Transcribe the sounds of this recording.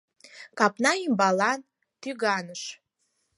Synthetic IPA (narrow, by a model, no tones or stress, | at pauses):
kʰʼapʼnaimbalan | tʰyɡanɨʂ